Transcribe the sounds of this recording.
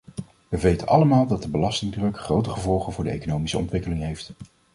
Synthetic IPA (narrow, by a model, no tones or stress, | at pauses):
ʋəʋejtənʔɑ̰ləmaːlˠdɑt̚dəbəlɑstɪŋdrɵkχrowtəχəvɔlˠχənvʊːɹdəḛjkonowmisəɔ̰ntʋɪkəlɪŋɦejft